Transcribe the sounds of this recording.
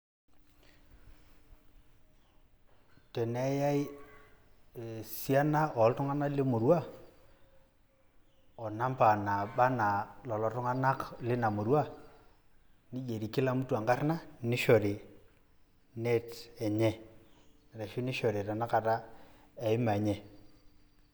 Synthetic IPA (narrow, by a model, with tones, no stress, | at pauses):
tɛ˨nɛ˦ja˦i˦ | e˨si˦a˦na˦ʔɔ˨˦ltʊ˦ŋa˦na˦lɪ˦mu˨ɾwa˦ | ɔ˨na˦mpa˨na˨ɓa˦na˨lɔ˨lɔ˨tʊ˦ŋa˦na˦klɪ˦na˨mu˨ɾwa˦ | ni˦je˨ɾi˨kɪ˦la˦mu˦twa˨ŋɡa˦rna˦ni˦ʃo˨ɾi˨ | ne˦tɛ˨ɲɛ˦˨ | ɾa˨ʃi˦ni˦ʃo˨ɾi˨ta˨na˦ka˨ta˦ | ɛ˨ɪ˦ma˨ɲɛ˦